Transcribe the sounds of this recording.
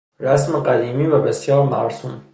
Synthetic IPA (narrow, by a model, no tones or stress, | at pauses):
ɾæsmeqæd̪iːmiːvæbesjɒːɾmæ̰ɾsuːm